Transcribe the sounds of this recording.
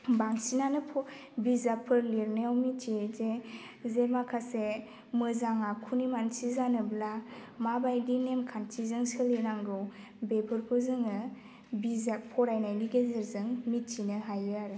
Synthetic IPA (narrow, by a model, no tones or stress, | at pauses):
baŋsinanɯpʰɔ | bizapʰɯɾliɾneawmit͡ʃize | zemakʰase | mɯzaŋakʰunimansizanɯblamabajdinemkʰantʰizɯŋsɯlinaŋɡɯw | bepʰɯɾpʰɯzɯŋɯ | bizapʰɔɾajnajniɡeziɾzɯŋmit̚t͡ʃinɯɦajɯaɾɯ